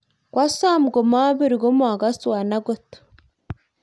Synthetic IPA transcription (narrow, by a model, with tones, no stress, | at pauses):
kwʔa˦saː˦mu˨ɡo˨ma˦βi˦ɾi˨ɡo˦mu˨ha˨ɡa˦si˦˨wa˨na˦ɡo˦to̥